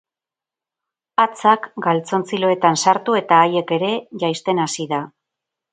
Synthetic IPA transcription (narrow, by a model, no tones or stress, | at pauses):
at͡sakɡalt͡so̞nt͡silo̞e̞t̪ansaɾt̪ue̞t̪aːje̞ke̞ɾe̞ʝajst̪e̞nasiða